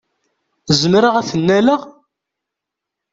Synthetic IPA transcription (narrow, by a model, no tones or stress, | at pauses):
zəmɾəʁæθənːæləʁ